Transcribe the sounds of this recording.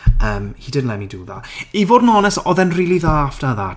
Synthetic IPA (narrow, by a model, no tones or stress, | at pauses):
əːmhiːdɪdnlɛmiduːða̰ivoːdn̩ɔnɛsɔðɛnriːlˠiðaːfd̥aða